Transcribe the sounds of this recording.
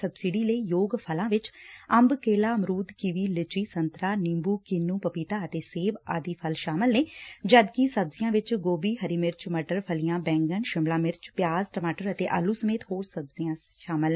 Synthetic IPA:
səbsɪɖiːləiːjoːɡpʰəlãːʋɪt͡ʃəmbkeːlaːmɾuːd̪kɪʋiːlɪt͡ʃiːsənt̪ɾaːnɪmbuːkɪnːũːpəpiːt̪aːət̪eːseːba̰ːd̪iːpʰəlʃaːməlneːd͡ʒəd̪kisəbzɪjãːʋɪt͡ʃɡoːbiːɦəɾiːmɪɾt͡ʃməʈəɾpʰəlijãːbɛ̃ːŋɡənʃɪmlaːmɪɾt͡ʃpjaːzʈəmaːʈəɾət̪eːʔa̰ːluːsəmeːt̪hoːɾsəbzɪjãː | ʃaːməlː

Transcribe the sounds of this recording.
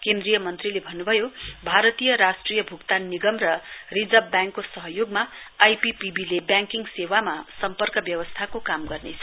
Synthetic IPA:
kend̪rijʌmʌnt̪rilebʱʌnːubʱʌjobʱaɾʌt̪ijʌɾasʈrijʌbʱukt̪aniɡʌmrʌrid͡zʌbjaŋkːosʌɦʌjoɡmaː | jpipibilebjãŋkiŋɡsewamasʌmpʌrkʌbjʌwʌst̪ʰakokamɡʌrnet͡sʰʌ

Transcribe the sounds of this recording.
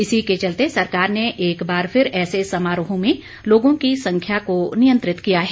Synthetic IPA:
ɪsiket͡ʃɐlt̪esɐɾkaːɾneʔeːkbaːɾpʰɪɾɛːsesɐmaːɾʊɦõmẽ | loːɡõkisɐ̃ŋkʰjakonijə̃nt̪ɾɪt̪kijaɦɛː

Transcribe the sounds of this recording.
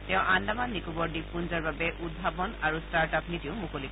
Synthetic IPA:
tɛ̃ʊ̃ʔandamanːikubɔɹdipːunzaɹbabɛʔud̚bʱabɔnaɹustaɹtapnitiʊmukolik

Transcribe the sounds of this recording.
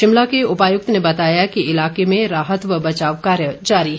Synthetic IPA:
ɪmlakeʊpaːjʊk̚t̪nebɐt̪aːjakiɪlaːkemẽɾaːɦət̪ʋəbɐt͡ʃaːʋkaːɾjəd͡ʒaːɾi

